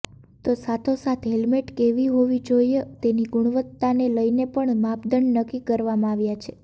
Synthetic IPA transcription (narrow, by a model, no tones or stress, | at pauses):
t̪osat̪ʰosat̪ʰɦelmeʈkeʋiɦoʋid͡ʒoiet̪eniɡʊɽ̃ʋət̪ːaneləjnepəɳmapd̪əɳnəkːikəɾʋamãaʋjat͡ʃʰe̥